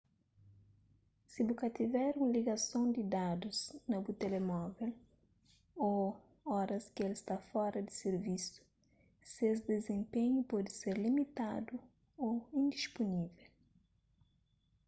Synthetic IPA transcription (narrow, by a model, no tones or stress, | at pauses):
sibukɐt̪ivɛɾũŋliɡɐsõw̃d̪id̪ad̪uznɐbut̪elemɔvel | o | ɔɾɐskɪelist̪afɔɾɐd̪iseɾvisu̥ | ses̬d̪ezẽmpẽɲupɔd̪ɪseɾlimit̪ad̪u | oĩnd̪iʃponivɛl